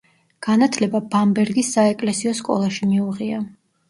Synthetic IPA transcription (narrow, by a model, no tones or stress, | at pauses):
ɡ̥anat̪ʰlɛbabambɛɾɡisːaɛkʼlɛsiɔskʼɔ̰lˠaʃimiuʁia